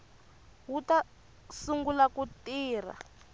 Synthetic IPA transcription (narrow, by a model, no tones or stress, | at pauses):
wuta | suŋɡulakutiːr̤a̰